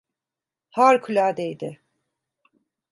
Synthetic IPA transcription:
haɾkʰylʲaːd̪ejd̪ɪ

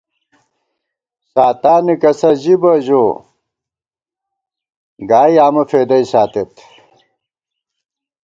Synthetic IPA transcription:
saːt̪aːnikɐsɐʑibɐʑoː | ɡaːjaːmɐfeːd̪ɐjsaːt̪et̪

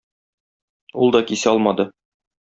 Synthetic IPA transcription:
ulˠd̪ɒkisɘɒlˠmɑd̪ɤ

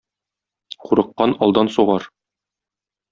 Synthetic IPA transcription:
quɾɤ̆qːɑnɒlˠd̪ɑnsuʁɑɾ

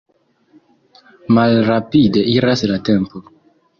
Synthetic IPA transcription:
malɾapide̞iɾaslatempo

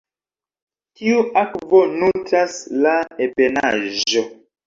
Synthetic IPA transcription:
tiuʔakvonutaslaepena̰ʒo

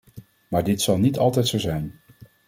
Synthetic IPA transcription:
maːɹdɪtsɑlˠnitɑlˠtɛjtsowzɛjn

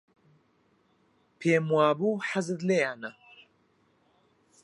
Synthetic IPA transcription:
pʰeːmwaːbuħazɨd̪lejaːnɐ

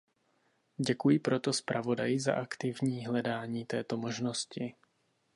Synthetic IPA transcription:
ɟɛkujɪpɾo̞t̪o̞spɾʔavo̞dajɪza̰ʔakt̪ɪvɲiːɦlɛdaːɲiːt̪ɛːt̪o̞mo̞ʒnoscɪ

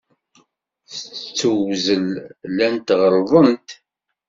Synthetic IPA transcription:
θət͡st͡sːuwzəllænt̪ʁəɾˤðˤənt̪

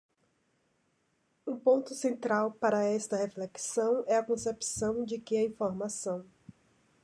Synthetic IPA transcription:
ũpõnt̪ʊsẽnt̪ɾawpaɾɐɛst̪ɐhefleksɐ̃w̃ɛɐkõsepsɐ̃w̃d͡ʒɪkɪɐĩfoɾmasɐ̃w̃

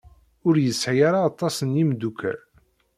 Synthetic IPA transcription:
ʊɾjəsʕjaɾaːt̪ˤːɑsənjimd̪ukæ̰l

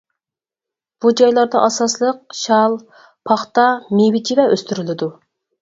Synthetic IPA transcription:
b̥ud͡ʒɑjlˠɑɾd̪ɑʔɑsɑslˠəq̚ʃɑlˠ | pʰɑχt̪ɑmiwɪt͡ʃʰivɛʔøst̪yɾylɪd̪u

